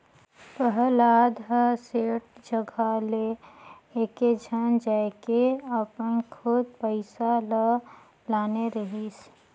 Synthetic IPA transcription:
pəɦəlaːd̪ʱɦəseːʈ̚d͡ʒəɡʱale | eːked͡ʒʱənd͡ʒaekeəpənkʰʊd̪̚pəɪsalə | laːneɾəɦis

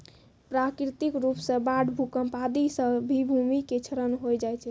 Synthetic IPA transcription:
pɾakɾit̪ikɾupsə̃baɽbʱukəmpad̪isə̃bʱibʱumiket͡ʃʰəɾənɦojd͡ʒajt͡ʃʰɛ

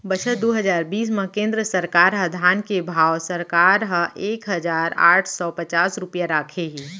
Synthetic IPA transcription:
bɐt͡ʃʰət̪̚d̪oːɦɐzaːɾbiːs̬mə̃kẽːnd̪ɾəsɐɾkaːɾɦɐd̪ʱaːnkebʱaːwsɐɾkaːɾɦə̃ʔeːkɦɐzaːɾa̰ːʈʰsɔpɐt͡ʃaːsɾʊpjaɾaːkʰeɦiː

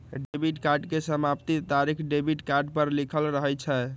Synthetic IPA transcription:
ɖebʱiʈkaɾɖkesəmapt̪it̪aɾikʰɖebʱiʈkaɾɖpəɾlikʰəlɾəɦɛt͡ʃʰɛ

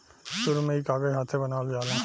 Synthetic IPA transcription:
ʃʊɾmẽɪkaːɡəɦaːt̪ʰebɐnaːld͡ʒaːlã

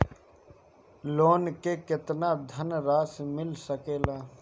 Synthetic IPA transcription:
loːnkekɪt̪nad̪ʱənɾaːsmɪlsəkeːlaː

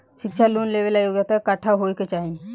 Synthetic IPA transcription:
ɕikɕʰaluːnleʋelajoɡjat̪əkaʈʰaɦojket͡ʃaɦi

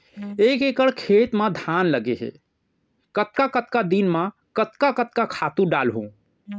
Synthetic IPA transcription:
ekekəɽkʰet̪mãd̪ʱanləɡeɦḛ | kət̪̚kakət̪kad̪inmã | kət̪kakət̪̚kakʰat̪ũɖalɦṵ̃

